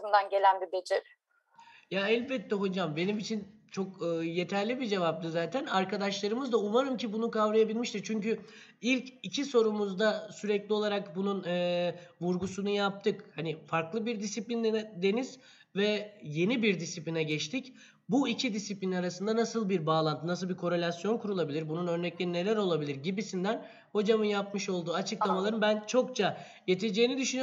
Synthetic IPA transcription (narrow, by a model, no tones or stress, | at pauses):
zɯnd̪anɟe̞lʲænb̪id̪ed͡ʒɪɾ | jaɛlʲbɛt̪ʰːɛɦo̞d͡ʒambe̞nimit͡ʃʰint͡ʃʰo̞kɯːje̞t̪ʰæɾlʲibid͡ʒe̞vap̚d̪ɯzaːt̪ʰænaɾkad̪aʃlˠaɾɯmɯzd̪auvaɾɯmcʰibunukavɾajabilʲmiʃt̪iɾt͡ʃʰyɲcy | ilʲcicʰiso̞ɾumuzd̪asyɾɛclʲio̞lˠaɾakbununɯvuɾɡusunujap̚t̪ʰɯkhanɪfaɾklˠɯbiɾd̪isiplʲind̪e̞niz̥ | vɛje̞nibiɾd̪isiplʲinɛɟɛt͡ʃt̪ʰic | buicʰid̪isiplʲinaɾasɯnd̪anasɯlˠbiɾbaːlˠant̪ʰɯnasɯlˠbiɾkʰo̞ɾe̞lʲasjo̞nkʰuɾulˠabilʲiɾbununø̞ɾnɛclʲeɾine̞lʲæɾo̞lˠabilʲiɾɟibisind̪æn | ho̞d͡ʒamɯnjapmɯʃo̞lˠd̪uːat͡ʃʰɯklˠamalˠaɾɯmbænt͡ʃʰo̞kt͡ʃʰa | je̞t̪ʰed͡ʒeːnid̪yʃyny